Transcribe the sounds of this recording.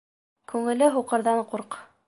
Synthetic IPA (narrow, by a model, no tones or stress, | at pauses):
kʉŋɘ̆lɘɦuqɤ̆ɾðɑɴquɾq